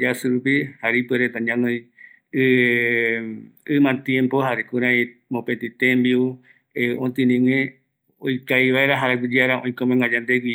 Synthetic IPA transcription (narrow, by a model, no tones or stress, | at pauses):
d͡ʒasɨɾupihaɾipeɾet̪ãɲãŋõj | ɨ | ɨmãt̪jẽmpohaɾekuɾãĩ | mõpet̪it̪ẽmbiu | eʔõt̪ĩnĩŋẽ | o̰jkajβaeɾaɦaɾaɡʷid͡ʒeaɾaõj̃komẽŋɡãd͡ʒãnd̪eɡʷi